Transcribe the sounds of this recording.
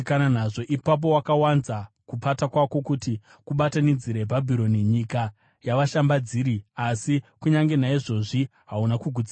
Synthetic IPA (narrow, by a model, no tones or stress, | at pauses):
kananaʐo̞ʔipap̬o̞wakawanza | kupatakwako̞kuti | kuɓatanid͡ziɾebʱabʱiɾo̞niɲika | jaʋaʃambad͡ziɾiasikuɲaŋɡe̞naiʐo̞ʐiɦaunakuɡʱud͡ziːa